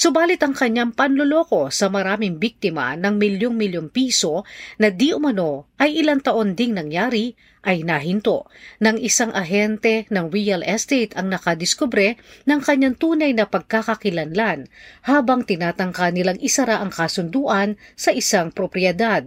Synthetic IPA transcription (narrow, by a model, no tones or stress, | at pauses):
sʊbaːlɪt̪ɐŋkɐɲːaŋpɐnloloːko̞sɐmɐɾaːmɪŋbik̚t̪ɪmɐ̰nɐŋmɪljoŋmɪljoŋpiːso̞nɐd̪iʔʊmɐno̞ʔɐjʔɪlaŋt̪ɐʔond̪ɪŋnɐŋjaːɾi | ʔɐjnɐɦɪnt̪o̰ʔnɐŋʔɪsaŋʔɐɦɛnt̪ɛnɐŋɾiɐlʔɛst̪ejt̪ɐŋnɐkɐd̪ɪskobɾɛnɐŋkɐɲːaŋt̪uːnɐjnɐpɐɡ̚kakɐkɪlɐnlanhaːbɐŋt̪ɪnaːt̪ɐŋkanɪlaŋʔɪsɐɾaʔɐŋkɐsʊnd̪uːʔɐnsɐʔɪsaŋpɾopɾɪɛd̪ad̪̚